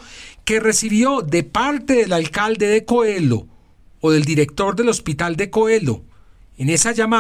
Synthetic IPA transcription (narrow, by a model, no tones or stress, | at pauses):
ke̞re̞siβjo̞ðe̞paɾt̪e̞ðe̞lalkald̪e̞ðe̞ko̞e̞lo̰ː | ðe̞ld̪iɾe̞k̚t̪o̞ɾd̪e̞lo̞spit̪ald̪e̞ko̞e̞lo̰ | ene̞sad͡ʒama